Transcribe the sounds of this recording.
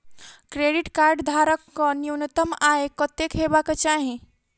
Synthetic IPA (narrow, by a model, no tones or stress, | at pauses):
kɾeɖiʈkaɾɖd̪ʱaɾəkːɔniwnət̪əmaekɔt̪ekɦebakɔt͡ʃaɦĩ